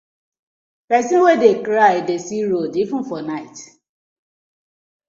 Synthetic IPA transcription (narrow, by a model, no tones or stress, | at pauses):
pɛsĩnwedekɾajdesiɾodifũn̩fɔnaɪt